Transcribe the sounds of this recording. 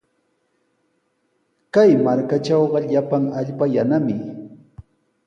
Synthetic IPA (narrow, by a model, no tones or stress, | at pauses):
kajmaɾkat͡ʃɑwɢɑʎapaŋaʎpajanamɪ